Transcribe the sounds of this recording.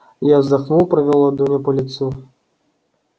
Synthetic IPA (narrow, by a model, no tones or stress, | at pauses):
jazd̪axnuwpɾɐvʲɛlˠɔd̪umʲɛpɐlʲit̪su